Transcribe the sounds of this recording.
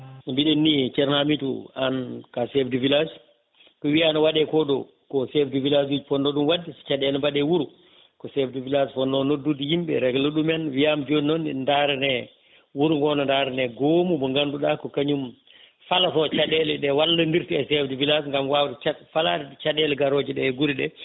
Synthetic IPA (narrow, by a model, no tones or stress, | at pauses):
mbiɗɛnːit͡ʃɛɾnamitṵankasɛfdivilas | kɔwianɔwaɗɛkɔɗɔ̰ | kɔsɛfdivilasud͡ʒpɔnːɔɗumwadːisi̥t͡ʃaɗɛlɛbaɗɛwuɾu | kɔsɛfdivilasfɔnːɔnodːudihimbɛ̰ɾɛɡluɗumɛnwijamd͡ʒoninɔnindaɾɛnɛ | wuɾuɡɔnɔndaɾɛnɛɡomubɔŋɡanduɗakɔkaɲum | falafɔt͡ʃaɗɛlɛɗɛwalːandiɾtiɛsɛfdivilasŋɡamwawtɛt͡ʃafala̰t͡ʃaɗɛlɛɡaɾod͡ʒiɗɛɛɡuɾiɗɛ